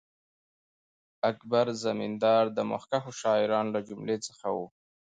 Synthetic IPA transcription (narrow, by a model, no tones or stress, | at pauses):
akbaɾzamind̪ɑɾd̪əma̰xkaxoʃɑɪɾɑnlad͡ʒʊmlet͡səxawu